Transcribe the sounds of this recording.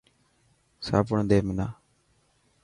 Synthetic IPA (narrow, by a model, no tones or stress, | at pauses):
sa̰ːpəɳd̪eːmɪnaː